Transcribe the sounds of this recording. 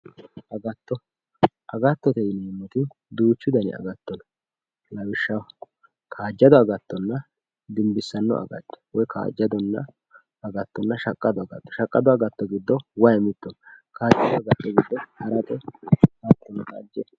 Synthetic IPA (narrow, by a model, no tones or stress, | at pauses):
ʔɐɡɐt̪ːɔ | ʔɐɡɐt̪ːɔt̪ɛjnɛmːɔt̪ɪ | d̪uːt͡ʃːʊd̪ɐnɪ̰ɐ̰ɡɐt̪ːɔn | lɐwɪʃːɐw | kʰaːd͡ʒːɐd̪ɔɐɡɐt̪ːɔnːɐ | d̪ɪmbɪsːɐnːɔ̰ɐ̰ɡɐ̰t̪ːɛ̥wɔjkʰa̰ːd͡ʒːɐd̪ɔnːɐ̰ | ɐɡɐt̪ːɔnːɐʃɐkʼːɐd̪ɔɐɡɐ̰t̪ːɔ̥ʃɐkʼːɐd̪ɔɐɡɐt̪ːɔɡɪd̪ːɔwɐjmɪt̪ːɔnkaːd͡ʒɐd̪ɔɐɡɐt̪ːɔɡɪd̪ːɔhɐɾɐt̪ʼɛhat̪ːɔnt̪ʼa̰ːd͡ʒːɛ